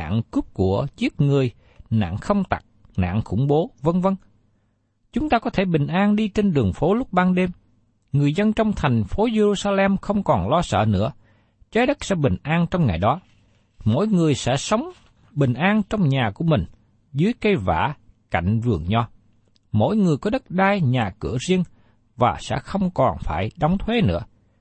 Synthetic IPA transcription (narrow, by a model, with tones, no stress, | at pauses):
a̰ː˧˨ŋkʊ˦˥p̚ku˧˩ət͡ɕi˦˥ət̚ŋɨ˨˩əj | na̰ː˧˨ŋxə˧wŋ͡mt̪a̰˨˩k̚ | na̰ː˧˨ŋxʊ̰˧˩ŋ͡mɓo˨˦və˧ŋvə˧ŋ | t͡ɕʊ˨˦ŋ͡mt̪aː˧kɔ˨˦t̪ʰe˧˩ɓï˨˩ŋ̟ʔaː˧nɗi˧t͡ɕe˧nɗɨ˨˩əŋfo˨˦lʊ˦˥k͡p̚ɓaː˧nɗe˧m | ŋɨ˨˩əjzə˧nt͡ɕɔ˧wŋ͡mt̪ʰa˨˩jŋ̟fo˨˦ze˧ɾu˧saː˧lɛ˧mxə˧wŋ͡mkɔ˨˩nlɔ˧sə̰ː˧˨nɨ̰˧˥ə | t͡ɕaː˨˦jɗə˦˥t̚sɛ̰˧˥ɓï˨˩ŋ̟ʔaː˧nt͡ɕɔ˧wŋ͡mŋa˨˩jɗɔ˨˦ | mo̰˧˥˨jŋɨ˨˩əjsɛ̰˧˥sə˨˦wŋ͡m | ɓï˨˩ŋ̟ʔaː˧nt͡ɕɔ˧wŋ͡mɲaː˨˩ku˧˩əmï˨˩ŋ̟ | zɨ˨˦əjkə˧jva̰ː˧˩˨ka̰˧˩˨jŋ̟vɨ˨˩əŋɲɔ˧ | mo̰˧˥˨jŋɨ˨˩əjkɔ˨˦ɗə˦˥t̚ɗaː˧jɲaː˨˩kɨ̰˧˩əzi˧ən | vaː˨˩sɛ̰˧˥xə˧wŋ͡mkɔ˨˩nfaː˧˩jɗɔ˨˦wŋ͡mt̪ʰwe˨˦nɨ̰˧˥ə